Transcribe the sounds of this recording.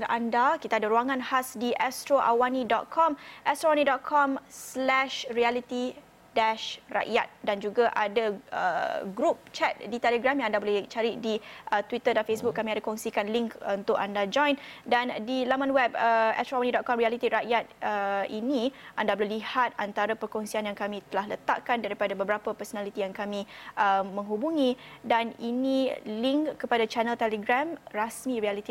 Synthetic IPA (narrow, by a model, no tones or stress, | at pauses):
nandakit̪adaɾuaŋãnhasdiʔɛst̪ɾoʔa̰wanĩdɔt̪̚kʰɔmʔɛst̪ɾoawanidɔt̪̚kʰɔmslɛʃrialit̪i | dɛʃra̰ʔjat̪̚dand͡ʒuɡaʔadaə̰ɡɾup̚t͡ʃɛt̪̚dit̪ɛləɡɾamjãŋandabolɛt͡ʃaɾidiət̪wit̪ədanfesbuk̚ːamĩadakɔŋsikanliŋkunt̪ʊka̰ndad͡ʒɔ̃jndandilamanwɛbəɛ̰t̪ɾawanidɔt̪̚kɔmɾialit̪iʔɾaʔjat̪̚əiniʔandabəlulihat̪̚ant̪aɾapərkɔŋsianjaŋkamĩt̪əlahlət̪a̰ʔkandaɾipadabəbəɾapəpɛrsonalit̪ijaŋkamĩʔəmə̃ŋɦubuŋĩdaniniliŋkːəpadat͡ʃɛnəlt̪ɛləɡɾamrasmĩɾialit̪i